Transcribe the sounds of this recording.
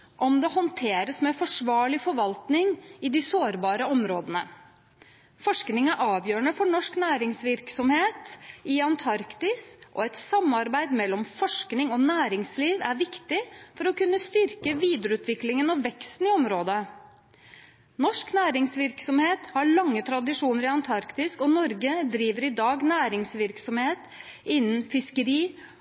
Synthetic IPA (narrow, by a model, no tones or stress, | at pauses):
ʔɔmd̪ɛhɔnt̪ʰeːɾəsmɛfɔʂʋɑːɭɪfɔɾʋɑlt̪nɪŋɪd̪ɪsoːɾbɑːɾəɔmɾoːd̪ənə | fɔʂknɪŋɑʔɑːʋjøːɾəɳəfɔɳɔʂknæːɾɪŋsʋɪɾksɔmheːt̪ɪɑnt̪ʰɑɾkt̪ɪsʔɔ̰ɛt̪sɑmːɑɾbæɪd̪mɛlːɔmfɔʂknɪŋɔnæːɾɪŋsliːʋæɾʋɪkt̪ɪfɔɾɔkʉnːəst̪ʏɾkəʋiːd̪ɾəʉːt̪ʰʋɪklɪŋənɑʋɛkst̪n̩ɪɔmɾoːd̪ə | nɔʂknæːɾɪŋsʋɪɾksɔmheːt̪hɑɭɑŋːət̪ʰɾɑd̪ɪʂuːnəɾɪɑnt̪ʰɑɾkt̪ɪskɔnɔɾɡəd̪ɾiːʋəɾɪd̪ɑːɡnæːɾɪŋsʋɪɾksɔmheːt̪ | ɪnːənfɪskəɾiː